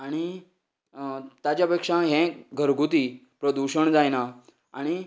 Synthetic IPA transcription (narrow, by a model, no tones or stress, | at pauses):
aɽ̃i | t̪jat͡ɕjapekʂãɦɛ̃ɡʱəɾɡʱut̪̬ipɾəd̪uɕəɳd͡zajna | aɽ̃i